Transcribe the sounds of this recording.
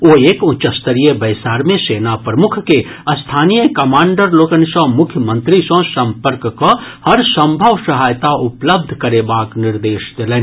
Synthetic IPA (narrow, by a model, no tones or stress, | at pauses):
oːeːkʊ̃t͡ʃəst̪əɾijebɐɪsaːɾmẽseːnapɾəmʊkʰke | ɐst̪ʰaːnijəkɐmãːɳɖəɾloːkənsɔ̃mʊkʰjəmə̃nt̪ɾisõsɐ̃mpəɾkkohɐɾsə̃mbʱəʋsɐɦaːjt̪aʊpləb̚d̪ʱkɐɾebaːknɪɾd̪eːʃd̪elẽː